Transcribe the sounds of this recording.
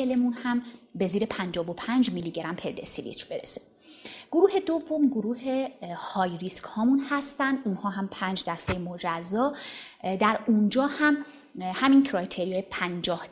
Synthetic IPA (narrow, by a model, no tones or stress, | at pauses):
elemunhæmbe̞ziːɾe̞pʰænd͡ʒɒːvopʰænd͡ʒmiliɟeɾæmpʰe̞ɾd̪esivḭt͡ʃʰbe̞ɾese̥ | ɡ̥oɾuːhe̞d̪ovːo̞mɡoɾuːhe̞hɒːjɾiskhɒːmunhæst̪ænd̪ʔunhɒːɦæmpʰæːnd͡ʒd̪æst̪e̞jemod͡ʒæzːɒː | d̪æɾund͡ʒɒːhæm | hæmincʰɾɒjt̪ʰeɾijɒːjepʰænd͡ʒɒːh